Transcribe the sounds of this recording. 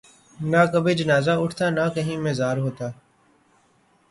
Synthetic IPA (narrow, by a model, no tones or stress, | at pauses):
nakəbʱeːd͡ʒənaːzaːʊʈʰt̪aːnaːkəɦĩːmeːzaːɾɦoːt̪aː